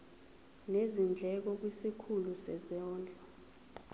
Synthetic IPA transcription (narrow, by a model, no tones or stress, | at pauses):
nezind͡ɮʱɛk̬ɔk̬wisikʰulusɛ̰zɔːnd͡ɮʱɔ